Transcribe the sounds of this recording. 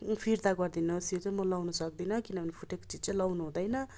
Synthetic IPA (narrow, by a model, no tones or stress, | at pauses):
pʰiɾd̪aɡʌrd̪inʌsjot͡sajmʌlawnʌsʌk̚d̪inʌkinʌbʱʌnipʰuʈeko̥t͡sid͡zt͡saj̃lʌwnuɦũd̪ʌjnʌ